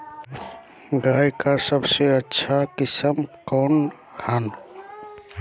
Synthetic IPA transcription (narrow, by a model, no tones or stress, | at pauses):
ɡaːjkasəbseətːʃʰakɪsəmkɔːn | kʰaːn